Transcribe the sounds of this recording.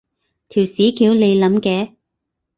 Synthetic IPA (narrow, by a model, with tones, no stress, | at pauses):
t̪ʰiː˨˩wsiː˨˥kʰiː˨˥wle˨˧jlɐ˨˥mkɛː˨˧